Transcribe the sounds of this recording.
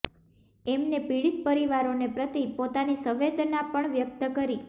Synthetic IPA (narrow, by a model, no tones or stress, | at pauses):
ɛmnepiɽit̪̚pəɾiʋaɾonepɾət̪ipot̪anisəʋed̪ʱnapəɳʋjək̚t̪əkəɾi